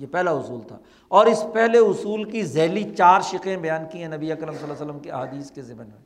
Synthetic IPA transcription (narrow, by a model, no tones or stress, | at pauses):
jepɛɦlaʊsuːlt̪ʰa̰ː | ɔːɾɪspɛɦleʊsuːlkizɛːlit͡ʃaːɾʃɪqẽbɐjaːnkiɦɛ̃nɐbiekəɾəmsɐlːaːsələmkeɐɦaːd̪iːskezɪmənmḛ̃